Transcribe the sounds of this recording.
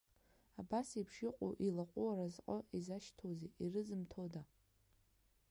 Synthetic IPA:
abasipʰʂɪqʷʼo̰ʔilaqʷʼuaɾazqʼəʔizaʃtʰozeʔirɨzɨmtʰoda

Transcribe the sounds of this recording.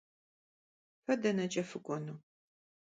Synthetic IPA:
fɐdɐnɐt͡ʃʼɐfɨɡʷʼɔnu

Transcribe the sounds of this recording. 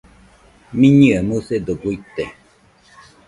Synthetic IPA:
mĩɲɨamused̪oɡuit̪e

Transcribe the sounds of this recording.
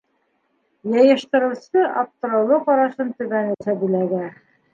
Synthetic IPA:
jɑjɤ̆ʃt̪ɤ̆ɾɤ̆wsɤʔɑp̚t̪ɤ̆ɾɤ̆wlˠɤqɑɾɑʃɤnt̪ɵ̆βænɘsæbɘlæɡæ

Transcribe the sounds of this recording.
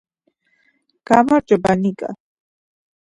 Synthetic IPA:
ɡ̥amaɾd͡ʒʼɔbanikʼa̰

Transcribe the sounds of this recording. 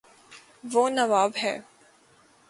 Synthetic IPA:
ʋonɐʋaːbɦɛ̰ː

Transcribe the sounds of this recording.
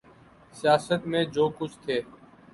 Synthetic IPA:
sɪjaːsət̪mẽːd͡ʒoːkʊt͡ʃʰt̪ʰeː

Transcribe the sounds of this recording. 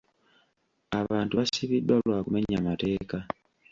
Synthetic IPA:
aβaːntuβasiβidwalwaːkume̞ɲamate̞ːka

